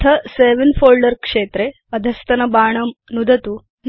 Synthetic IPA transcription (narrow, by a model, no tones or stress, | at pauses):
t̪ʰɐseʋɐnfoːlɖəɾkʂeːt̪ɾe | ɐd̪ʱɐst̪ɐnɐbaːɳ̃ɐmnud̪ʱɐt̪u | n